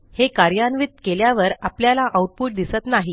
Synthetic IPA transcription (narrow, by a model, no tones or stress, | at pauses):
hekaɾjanʋit̪keljaʋəɾapljalaʔawʈ̚puʈ̚d̪isət̪naɦi